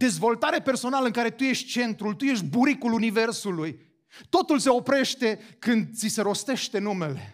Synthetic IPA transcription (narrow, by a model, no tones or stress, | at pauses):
d̪̥e̞zvo̞lt̪aɾeperso̞naləɨŋkaɾe̞t̪uje̞ʃt̪̚ʲt͡ʃe̞nt̪ɾult̪uje̞ʃt̪̚ʲbuɾikulunive̞rsuluj | t̪o̞t̪ulse̞o̞pɾe̞ʃt̪e̞kɨnd̪̚t̪sise̞ɾo̞st̪e̞ʃt̪e̞nume̞le̞